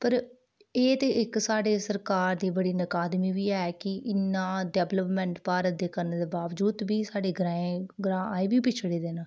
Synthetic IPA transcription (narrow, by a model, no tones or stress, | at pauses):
pəɾ | eːt̪eːʔɪksaːɖeːsəɾkaːɾd̪iːbəɽiːnəkaːd̪miːʋiːɛːkɪʔɪnːãːɖɛːbləpmɛ̃ːɳʈpaːɾət̪̚d̪eːkəɾneːd̪eːbaːʋd͡ʒuːd̪biːsaːɖeːɡɾãːẽɡɾãːaːeːbiːpɪt͡ʃʰɽeːd̪eːnaː